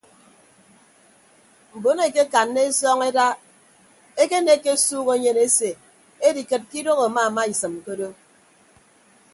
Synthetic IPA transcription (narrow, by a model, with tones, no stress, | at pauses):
m̩˨bo˨˦ne˨ke˦ka˨nːe˦e˦sɔ˦ŋe˦da˦ | e˦ke˦ne˦ke˦suː˦ɣo˨˦ɲe˨ne˦se˨ | e˦di˨kɨ˨t̚ki˦do˦ɣo˨ma˦a˨ma˦i˨sɨ˨m˨ko˦do˦